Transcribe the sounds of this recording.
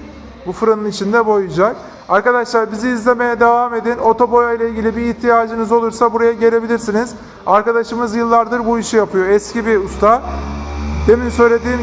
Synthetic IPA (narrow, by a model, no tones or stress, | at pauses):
bufɯɾanɯnit͡ʃʰind̪ɛbo̞jud͡ʒak̚ | aɾkad̪aʃlˠaɾbiziːzlʲe̞me̞jɛd̪e̞vame̞d̪ino̞t̪ʰo̞bo̞jajlʲˠailʲɟilʲibiːçt̪ʰijaːd͡ʒɯnɯzo̞lˠuɾsabuɾajaɟe̞ɾʲe̞bilʲiɾsiniz̥ | aɾkad̪aʃɯmɯzjɯlˠːaɾd̪ɯɾbuiʃijapʰɯjo̞ɛscibiust̪ʰa | d̪e̞minsø̞jlʲe̞d̪iːm